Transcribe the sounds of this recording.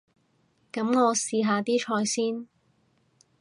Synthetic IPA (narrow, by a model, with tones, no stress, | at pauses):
kɐ˨˥mŋɔː˨˧siː˧ɦaː˨˧t̪iː˥t͡ʃʰɔː˧jsiː˥n